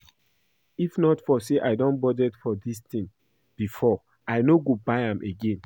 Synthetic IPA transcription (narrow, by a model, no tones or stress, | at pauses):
ifnɔtfɔseʔaɪdɔ̃nbɔdɛdfɔdistĩŋ | b̥ifɔ | aɪnoɡobaɪãmʔeɡẽn